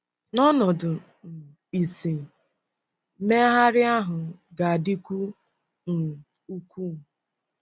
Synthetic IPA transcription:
nɔ˦nɔ˨dʊ˨ | n̩˨ | i˨si˨˦ | me˦a˦ɦa˦ɾɪ˦a˦ɦʊ˨ɡa˨a˨dɪ˦kʷu˦ | n̩˨ | u˦kʷu˦˨

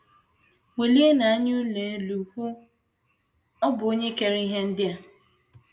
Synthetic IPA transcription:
we˨li˦e˦na˨a˦ɲ˦u˦le˨e˦lu˨hu˦ | ɔ˦bʊ˨o˦ɲe˦ke˨ɾi˦ɦe˦n̩˦dɪ˦a˨

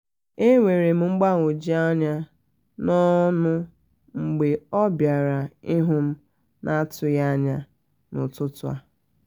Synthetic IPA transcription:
e˦ŋʷe˨ɾe˨m̩˦ŋ͡m̩˦ɡ͡ba˦˨ŋʷo˨d͡ʒi˦a˦ɲa˦ | nɔ˦nʊ˦ | ŋ͡m̩˨ɡ͡be˨ɔ˦bja˨ɾa˨ɪ˦ɦʊ˦m̩˦ | nʔa˦tʊ˨ja˦ɲa˦ | nʊ̰˨tʊ˦tʊ˦a˦

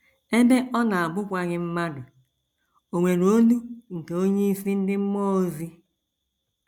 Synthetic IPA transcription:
e˦be˦ʔɔ˦na˨a˨bʊ˦kʷa˦ɣɪ˦m̩˦ma˦dʊ˨ | o˨ŋʷe˨ɾoo˦nu˦ŋ̩˨ke˨o˦ɲe˦i˦si˦n̩˦dɪ˦m̩˦mɔ˦o˦zi˦

